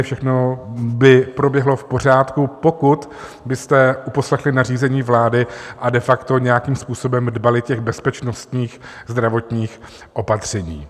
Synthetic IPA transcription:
fʃɛxnobɪpɾo̞bjɛɦlo̞fpo̞r̝aːt̪kupo̞kut̪ | bɪst̪ɛʔupo̞slɛxlɪnariːzɛɲiːvlaːdɪʔadɛfakt̪o̞ɲɛjakiːmspuːso̞bɛmdbalɪcɛɣbɛspɛt͡ʃnost̪ɲiːxzd̪ɾavo̞t̪ɲiːx | ʔo̞pat̪r̝̥ɛɲḭː

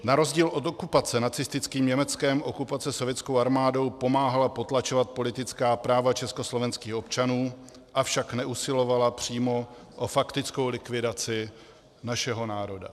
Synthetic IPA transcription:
naɾo̞zɟiːlʔo̞t̪okupat͡sɛnat͡sɪst̪ɪt͡skiːmɲɛmɛt͡skɛmʔo̞kupat͡sɛso̞vjɛt͡sko̞waɾmaːdo̞wpo̞maːɦalapo̞t̪lat͡ʃovat̪̚po̞lɪt̪ɪt͡skaːpɾaːvat͡ʃɛsko̞slo̞vɛnskiːxo̞pt͡ʃanuː | ʔafʃaknɛʔusɪlo̞valapr̝̥iːmo̞ | ʔofakt̪ɪt͡sko̞wlɪkvɪdat͡sɪ | naʃɛɦo̞naːɾo̞da̰

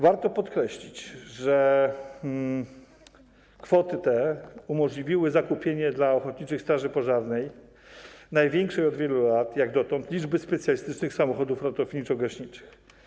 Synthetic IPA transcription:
vaɾt̪ɔpɔt̪kɾɛɕlʲit͡ɕʐɛ | kfɔt̪ɘt̪ɛumɔʐlʲivʲiwɘzakupʲjeɲɛd̪laɔxɔt̪̚ɲit͡ʂɘxst̪ɾaʐɘpɔʐaɾnɛj | najvʲjɛŋkʂɛjɔd̪vʲjɛlulat̪jaɡd̪ɔt̪ɔnt̪lʲid͡ʐbɘspɛt̪sʲjalʲist̪ɘt͡ʂnɘxsamɔxɔd̪ufɾat̪ɔfɲit͡ʂɔɡaɕɲit͡ʂɘ̥x

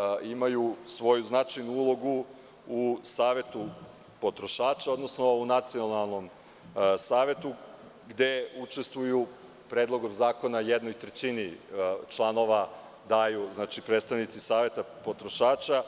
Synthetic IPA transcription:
imajusʋo̞juznat͡ʃajnuulˠo̞ɡu | usaːʋe̞t̪u | po̞t̪ɾo̞ʃaːt͡ʃao̞d̪no̞sno̞unat̪sio̞nalˠno̞m | saːʋe̞t̪u | ɡd̪e̞ut͡ʃe̞st̪ʋuju | pɾeːd̪lˠo̞ɡomzaːko̞najed̪nojit̪ɾet͡ɕinit͡ʃlˠano̞ʋa | d̪ajuznat͡ʃipɾet̪st̪aʋnit̪sisaːʋe̞t̪apot̪ɾo̞ʃaːt͡ʃa

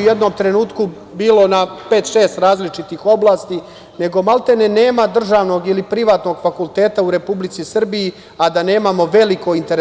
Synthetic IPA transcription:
uje̞d̪no̞mt̪ɾe̞nuːt̪ku | biːlo̞nape̞ːt̪ʃeːst̪ɾaːzlit͡ʃit̪ixo̞blaːst̪i | ne̞ɡo̞malt̪e̞nene̞ːmad̪r̩ʒaːʋno̞ɡilipɾiʋaːt̪no̞ɡfakulˠt̪e̞ːt̪auɾe̞publit̪sisr̩biji | ad̪ane̞ːmamo̞ʋe̞liko̞int̪e̞ɾ

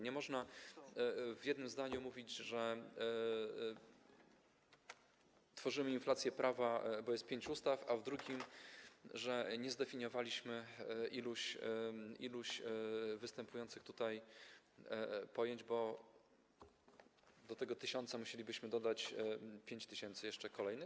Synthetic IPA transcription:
ɲɛmɔʐna | vʲjɛd̪nɘmzd̪aɲumuvʲid͡ʑʐɛ | t̪fɔʐɘmɘinflat̪sʲjɛpɾʔavabɔjɛst̪̚pʲjeɲt͡ɕust̪afavd̪ɾuɡʲim | ʐɛɲɛzd̪ɛfʲiɲɔvalʲiɕmɘʔiluɕ | iluɕvɘst̪ɛmpujɔnt̪sɘxt̪ut̪aj | pɔjeɲd͡ʑbɔ | d̪ɔt̪ɛɡɔt̪ɘɕɔnt̪samuɕelʲibɘɕmɘd̪ɔd̪at͡ɕpʲjeɲt͡ɕt̪ɘɕɛnt̪sɘjɛʂt͡ʂɛkɔlɛjnɘ

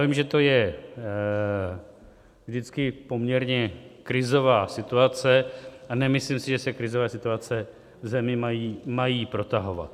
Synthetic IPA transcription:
javiːmʒɛt̪o̞jɛ | vʒdɪt͡skɪpo̞mɲɛɾɲɛkɾɪzo̞vaːsɪt̪uat͡sɛʔanɛmɪsliːmsɪʒɛsɛkɾɪzo̞vɛːsɪt̪uat͡sɛ | vzɛmɪmajiːmajiːpɾo̞t̪aɦo̞va̰t̪

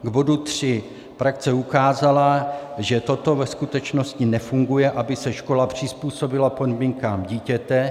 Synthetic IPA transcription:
ɡbo̞dut̪r̝̥ɪ | pɾak̚t͡sɛukaːzalaʒɛt̪o̞t̪o̞vɛskut̪ɛt͡ʃno̞scɪnɛfuŋɡujɛʔabɪsɛʃko̞lapr̝̥ɪspuːso̞bɪlapo̞dmiːŋkaːmɟiːcɛt̪ɛ

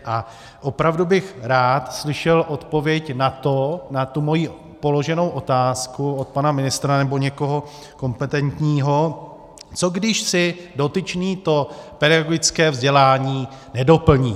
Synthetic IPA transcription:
ʔa | ʔo̞pɾavdubɪxɾaːt̪slɪʃɛlʔo̞t̪po̞vjɛcnat̪o̞nat̪umo̞jiː | po̞lo̞ʒɛno̞wʔo̞t̪aːskuot̪̚panamɪnɪst̪ɾanɛbo̞ɲɛko̞ɦo̞ | ko̞mpɛt̪ɛnt̪ɲiːɦo̞ | t͡so̞ɡdɪʃsɪdo̞t̪ɪt͡ʃniːt̪o̞pɛdaɡoɡɪt͡skɛːvzɟɛlaːɲiːnɛdo̞pl̩ɲiː

